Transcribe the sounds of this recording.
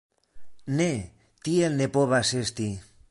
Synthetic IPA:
ne | t̪ielnepoβasest̪i

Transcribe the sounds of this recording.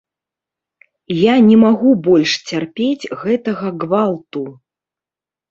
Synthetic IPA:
janʲɛmaɣubɔlʲʂt͡sʲarpʲet͡sʲɣɛt̪ɐɣɐɡvalˠt̪u

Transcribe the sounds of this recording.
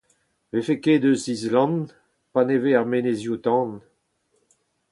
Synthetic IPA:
vefekeːd̪øzizlɑ̃n | paneveaʁmenezjut̪ɑ̃ːn

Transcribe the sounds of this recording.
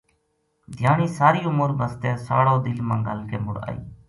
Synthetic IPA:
d̪ʱjaːɳiːsaːɾiːʊmʊɾbəst̪eːsa̰ːɽoːd̪ɪlmãːɡə̰lkeːmʊɾa̰ːḭː

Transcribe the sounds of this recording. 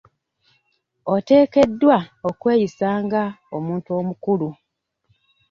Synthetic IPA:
ote̞ːke̞dːwaokwe̞ːjisaːŋɡaomuːntuo̞ːmukulu

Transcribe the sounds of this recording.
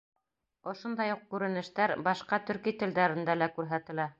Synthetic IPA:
ŏʃond̪ɑjuq̚kʉɾɘ̆nɘ̆ʃt̪æɾbɑʃqɑt̪ɵ̆ɾkit̪ɘ̆ld̪æɾɘ̆nd̪ælækʉɾɦæt̪ɘ̆læ

